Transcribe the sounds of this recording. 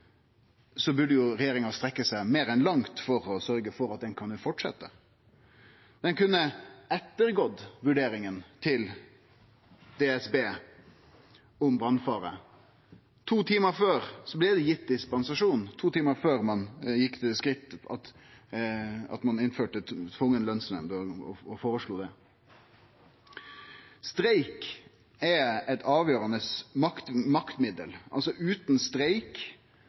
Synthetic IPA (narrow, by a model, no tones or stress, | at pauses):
sɔbʉɖəjʊɾɛjeːɾɪŋɑst̪ɾɛkːəsæɪmeːɾɛnlɑŋt̪fɔɾɔsœɾɡəfɔɾɑt̪̚d̪ɛnkʰɑnfɔʈʂɛ̰t̪ːə | d̪ɛnkʉnːəɛt̪ːəɾɡod̪ʋʉɖeːɾɪŋənt̪ʰɪl | d̪̥eɛsbeː | ɔmbɾɑnfɑːɾə̰ | t̪ʰuːt̪ʰiːməɾføːɾsɔblɛːd̪ɛjɪt̪̚ːd̪ɪspɑnsɑʂuːnt̪ʰuːt̪ʰiːməɾføːʁmɑnjɪkːd̪ɛskɾʁɪt̪ːɑ̰t̪ | ɑ̰t̪mɑnɪnføːʈət̪ʰʋʊŋːənlœnsnɛ̰md̪əɔɔ̰ɔfoːɾəʂɭuːd̪ɛ | st̪ɾeɪk | ɛɛt̪ʰɑːʋjøːɾɑnəsmɑkt̪mɑkt̪mɪd̪ə̰lɑ̰lsɔʔʉːt̪nst̪ɾeɪk